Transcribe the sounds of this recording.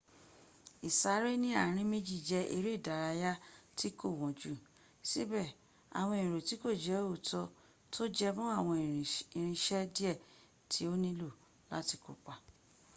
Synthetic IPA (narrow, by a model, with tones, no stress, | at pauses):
i˨sa˨˦ɾe˦nĩ˦a˦˨ɾ̃ĩ˧˦mĩ˧˦d͡ʒi˦˨d͡ʒɛ˧ʔe˧ɾe˦˨da˨˦ɾa˧ja˦ti˦ko˦˨w̃ɔ̃˨d͡ʒu˦˨ | si˦bɛ˦˨ | a̰˨w̃ɔ̃˧˨o˨ti˨˦ko˦˨d͡ʒɛ˨˦o˦˨tɔ˧ | tʰo˦d͡ʒɛ˧mũ˦a˦˨w̃ɔ̃˧˨i˨ɾ̃ĩ˧ʃɛ˦di˦ɛ˦˨ | tʰi˨˦o˦nĩ˦lo˦˨ | la̰˦ti˧ko̰˨k͡pa˨